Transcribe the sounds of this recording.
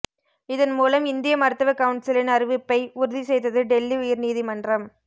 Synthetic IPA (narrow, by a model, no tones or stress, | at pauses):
ɪðɐnmuːlɐmɪnd̪ɪjɐmɐɾt̪ːɐʋɐkɐʋʊɳʈsɪlɪnɐɾɪʋɪpːɐɪʊɾɯðisɛjðɐðɯɖɛlːiʊjɪɾniːðimɐndrɐm